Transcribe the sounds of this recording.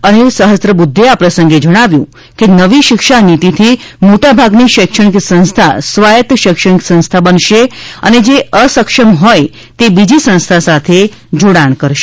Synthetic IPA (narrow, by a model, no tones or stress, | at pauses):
ənesəɦəst̪ɾəbud̪ʱːeapɾəsəŋɡed͡ʒəɽ̃aʋjṵ̃ | kenəʋiʃɪkʃanit̪it̪ʰimoʈabʱaɡniʃɪkʃəɳ̃iksə̃ñst̪ʰa̰sʋajət̪ʃɪkʃəɳiksə̃ñst̪ʰabənʃeə̰ned͡ʒeəsəkʃəmɦoj | t̪ebid͡ʒisə̃ñst̪ʰasat̪ʰe | d͡ʒoɽaɳ̃kəɾʃe̥